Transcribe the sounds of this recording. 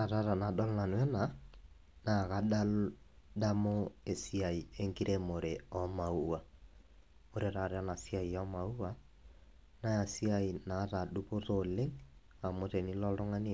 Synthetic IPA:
a˨ɾa˦ɾa˨na˨dɔ˦lna˨nwɛ˦na˨ | na˨ka˦ɗa˦da˦mo˦e˨si˦a˨i˨e˦ŋɡi˦ɾʔe˦mo˨ɾe˨ɔ˦ma˨u˦a˨ | o˦ɾe˨ɾa˨ɾa˦na˨si˦a˦i˨ɔ˦ma˨u˦wa˦ | na˦ja˨si˦a˨i˨na˨˦ta˨ɗu˦po˦to˨le˦ŋ | a˨mo˨˦te˨ni˦lɔ˦lɾo˦ŋa˦ni˦

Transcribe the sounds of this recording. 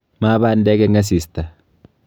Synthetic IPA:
maː˦baː˦nd̪e˦ɡe˦ŋɡɐ˦s̬iː˨st̪ɐ˨

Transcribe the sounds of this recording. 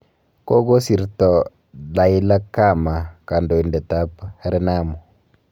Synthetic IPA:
ko˦ɡo˦si˨ɾtɔ˨ | la˨i˦la˦ka˦˨ma˨ka˨ndo˨i˨nde˨ta˦phɛ˦ɾɛ˦na˦mo˨

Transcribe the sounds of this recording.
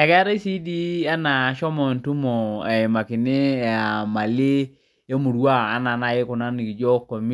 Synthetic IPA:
ɛ˨kɛ˦ɾe˦si˦di˦a˦na˨ʃɔ˦mɔ˨n˨tu˦mɔ˨a˨ma˨ki˨ne˦˨a˨ma˨lɪ˦ | e˦mu˨ɾwaː˦˨˦na˨na˨je˦kʊ˨na˦ni˨ki˨d͡ʒɔ˦kːɔ˨mi˦

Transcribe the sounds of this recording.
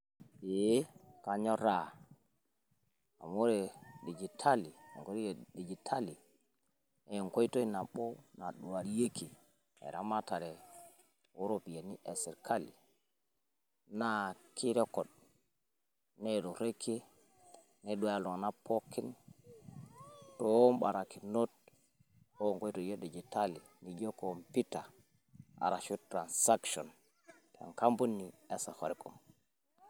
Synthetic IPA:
e˨˦ka˨ɲo˦ɾa˨ | a̰˨mo˦ɾe˨ɗi˨d͡ʒi˨tʰa˦lḭ˨ŋko˦ɾi˦˨ɗi˨d͡ʒi˨tʰa˦li˨ | e˨je˨ŋko˦i˦to˦i˦na˨ɓo˦na˨ɗu˨wa˨ɾje˦ki˨ | ḛ˨ɾa̰˦ma˦ta˨ɾe˨ | wo˦ɾo˦pi˨je˨ni˦ʔe˨si˨ɾkʰa˦li˨ | na˦kʰi˦ɾe˦ko˨d̚ | nɛdɔɾekʰːi | nɛɗujalɔ˨ŋnapʰɔkːin | tɔwɔmɓa̰ɾakinot̚ | ɔŋɡɔ˦jdɔjeɗɛd͡ʒɛtali | nid͡ʒɔkɔmpita | a̰ɾaʃutɾansakʃɔn | ta̰ŋkambunːiɛsahɔɾɛkum

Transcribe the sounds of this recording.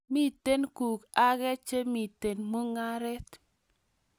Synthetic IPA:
mi˦t̪e˦nku˨ka˦ɡɛ˦t͡ʃe˦mi˨te˨nmo˦ŋa˦ɾɛ˦t

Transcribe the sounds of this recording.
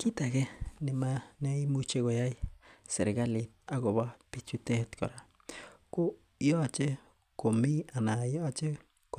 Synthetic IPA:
ki˦t̪a˨ɡe˦ni˨ma˧ne˦i˦mu˦t͡ʃe˦ɡo˨ja˦jsḛ˨ɾɡa˦li˨t̪̚a˦ɡo˨ba˦pi˦t͡ʃu˦t̪e˦t̪ko̰˨ɾa˨ | ko˦ | jo˦a˨t͡ʃe˦ | ko˨mi˦a˨na˨jo˦a˨t͡ʃe˦ | k

